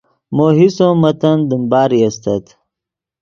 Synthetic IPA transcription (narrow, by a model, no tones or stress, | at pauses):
moːɦisõmɐt̪ɐnd̪imbaːɾiɐst̪ɐt̪